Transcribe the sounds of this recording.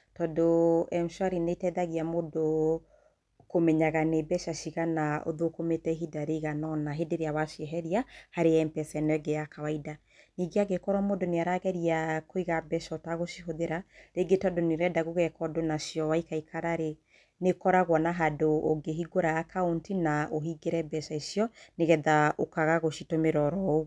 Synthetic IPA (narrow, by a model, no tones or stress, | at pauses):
tɔdoɛmʃwaɾinetɛðaɣiamodo | komɛɲaɣanebɛʃaʃiɣanaʔo̰ðokometɛɦidaɾeɣanɔnaɦedeɾeawaʃiɦɛɾiahaɾeɛmpɛsɛnɛɡɛakawaida | niɡeaɡekɔɾwamodoneaɾaɣɛɾiakoiɣabɛʃɔotaɣoʃiɦoðeɾaɾeɡetɔdoneɾɛdaɣoɣɛkɔdonaʃjɔwaikaikʰaɾaɾe | nekɔɾaɣwɔnaɦadooɡeɦiɡoɾaakʰaontinaoɦiɡeɾɛbɛʃaiʃiɔneɣɛðaokaɣaɣoʃitomeɾɔɾɔu